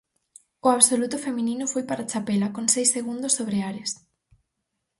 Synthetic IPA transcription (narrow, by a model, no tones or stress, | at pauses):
ʊaβsolut̪ʊfemĩnĩnʊfojpaɾat͡ʃapelakoŋsejseɣund̪ʊsoβɾeaɾɪs